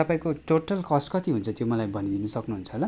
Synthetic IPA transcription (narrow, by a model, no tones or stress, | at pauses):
t̪ʌpãĩkoʈoʈʌlkʌsʈkʌt̪iɦunt͡sʰʌt̪jomʌlajbʱʌnid̪inʌsʌknuɦunt͡sʰʌɦola